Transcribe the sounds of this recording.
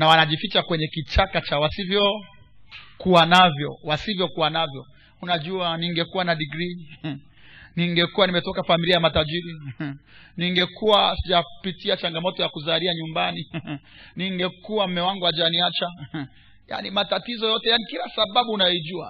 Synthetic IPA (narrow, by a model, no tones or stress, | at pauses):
nawanaʄifit͡ʃakwɛɲɛkit͡ʃakat͡ʃawasivjɔ | kuanavjɔwasivjɔkuwanavjɔ | unaʄuaniŋɡɛkuwanaɗiɡɾi | niŋɡɛkuwanimɛtɔkafamiliajamataʄiɾi | niŋɡɛkuwasiʄapitiat͡ʃaŋɡamɔtɔjakuzaliaɲumbani | niŋɡɛkuwam̩mɛwaŋɡuaʄaniat͡ʃa | ja̰nimatatizɔjɔtɛjanikilasaɓaɓuːnajɔiʄua̰